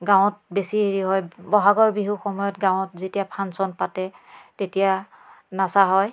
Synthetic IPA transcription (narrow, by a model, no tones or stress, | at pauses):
ɡãw̃ɔt̚besiɦiɹiɦɔjbɔɦaɡɔɹbiɦuxɔmɔjɔtɡãw̃ɔtzetijapʰansɔnpatɛtetija | nasaɦɔj